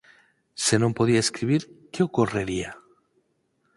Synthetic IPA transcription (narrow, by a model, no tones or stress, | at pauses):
se̞nõmpo̞ð̞iaeskɾiβ̞iɾkeo̞kore̞ɾia